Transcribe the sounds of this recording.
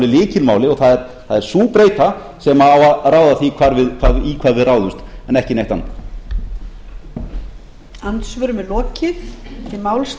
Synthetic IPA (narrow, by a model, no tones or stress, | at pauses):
lɪlɪːcɪlmaːwlɪɔɣθaðɛɾ | θaðɛɾ̥suːpɾeːjt̪a | sɛmaawaraːwðaθikʰvaːɾvɪðkʰvaikʰvaːðvɪðraːwðʏst̪ɛnɛhcɪnejht̪a̰n | ant̪svœɾʏmɛlɔːcɪðɪmaːwls